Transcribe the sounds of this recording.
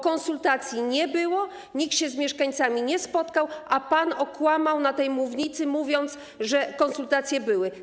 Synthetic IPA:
kɔ̃nsult̪at̪sʲjiɲɛbɘwɔ | ɲiktɕɛzmʲjɛʂkaɲt̪samʲiɲɛspɔt̪kawapanɔkwamawnat̪ɛjmuvɲit̪sɘmuvʲjɔnt̪s | ʐɛkɔnsult̪at̪sʲjɛbɘwɘ

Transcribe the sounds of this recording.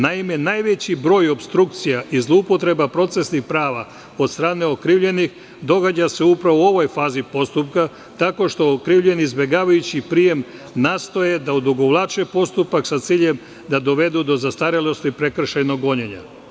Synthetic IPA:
naime̞najʋe̞t͡ɕibɾo̞ːjo̞pst̪ɾukt̪sijaʔizlˠoupo̞t̪ɾe̞bapɾo̞t̪se̞snixpɾaːʋa | o̞d̪st̪ɾaːne̞o̞kɾiːʋʎe̞nix | d̪o̞ɡad͡ʑase̞upɾaʋoo̞ʋo̞jfaːzipo̞st̪upka | t̪ako̞ʃt̪o̞okɾiːʋʎe̞niizbe̞ɡaːʋajut͡ɕipɾije̞m | nast̪o̞je̞d̪aud̪uɡo̞ʋlˠat͡ʃepo̞st̪upaksat̪siːʎem | d̪ad̪o̞ʋe̞d̪ud̪o̞zast̪aɾilo̞st̪ipɾe̞kr̩ʃejno̞ɡo̞ɲeɲa̰

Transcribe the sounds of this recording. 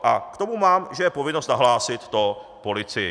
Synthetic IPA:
ʔakt̪o̞mumaːmʒɛjɛpo̞vɪnost̪naɦlaːsɪt̪ːopo̞lɪt͡sɪjɪ

